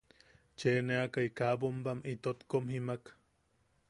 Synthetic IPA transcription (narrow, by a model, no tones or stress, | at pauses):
t͡ʃeneakaikabompamit̪ot̪komhimak